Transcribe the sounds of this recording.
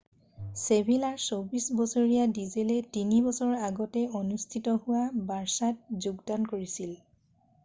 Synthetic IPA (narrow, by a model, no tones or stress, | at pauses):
sebʱilaɹsobisbɔsoɹijadizelɛtinibɔsɔɹaɡɔtɛonustʰitɔhʊwabaɹsat̚zuɡdankoɹisil